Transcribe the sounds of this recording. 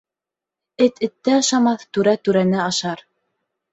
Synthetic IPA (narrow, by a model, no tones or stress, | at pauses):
ɘt̪ɘ̆t̪ːɘɑʃɑmɑθt̪ʉɾæt̪ʉɾænæɑʃɑɾ